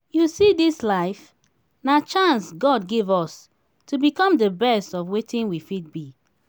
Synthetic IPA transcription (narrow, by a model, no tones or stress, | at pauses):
jusidislaɪf | nat͡ʃãnsɡɔd̚ɡivɔs | tʰubikɔ̃mdəbɛstɔfwetĩnwifit̚bi